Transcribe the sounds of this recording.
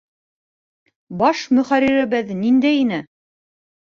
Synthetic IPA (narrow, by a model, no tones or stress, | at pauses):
bɑʃmɵ̆χæɾiɾɘ̆βɘðnind̪æjinɘ